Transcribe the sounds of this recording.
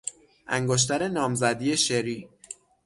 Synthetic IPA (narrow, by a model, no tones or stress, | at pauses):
ʔæ̰ŋɡoʃ̬t̪æɾe̞nɒːmzæd̪ije̞ʃeɾiː